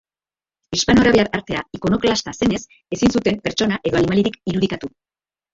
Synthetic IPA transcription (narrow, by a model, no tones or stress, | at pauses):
ispano̞ɾaβe̞aɾaɾt̪e̞aiko̞no̞klast̪ase̞ne̞s | e̞sinsut̪e̞mpe̞ɾt͡ʃo̞naʔe̞ðo̞animaliɾikiɾuð̞ikat̪u